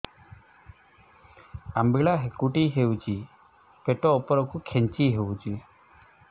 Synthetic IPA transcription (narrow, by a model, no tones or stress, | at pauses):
ambiɭaɦekuʈiɦewt͡ʃi | peʈɔːpɔɾɔkukʰent͡ʃiɦewt͡ʃi